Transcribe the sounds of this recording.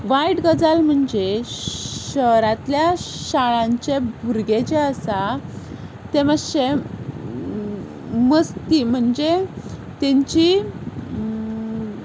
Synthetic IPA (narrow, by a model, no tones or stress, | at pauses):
ʋajʈɡəd͡zalm̤əɳd͡ʑe | ɕəɾat̪ljaɕaɭãɲt͡ɕebʱuɾɡet͡ɕeəsa | t̪eməɕe | məst̪im̤əɳd͡ʑet̪ẽɲt͡ɕi